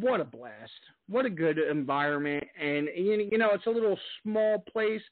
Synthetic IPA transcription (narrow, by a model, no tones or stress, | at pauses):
wʌɾəblæst̚ | wʌɾɨɡʊɾɨ̃ɱvaɪɹɨ̃nmɨ̃nt̚ɨ̃nɨ̃njɨñoʊɨtsəlɪɾl̩ˠsmɔlˠpʰl̥eɪs